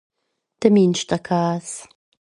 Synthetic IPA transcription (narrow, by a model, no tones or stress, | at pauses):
t̪əminʃt̪akʰaːs